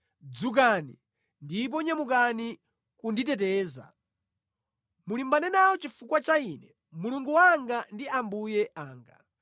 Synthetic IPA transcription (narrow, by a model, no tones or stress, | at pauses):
d͡zuk̬anḭ | ndip̬ɔɲamukani | kunditɛtɛːza̰ | mulimbanɛnawɔt͡ʃifukwat͡ʃaiːnɛ | muluŋɡuwaŋɡandiambujɛʔaːŋɡa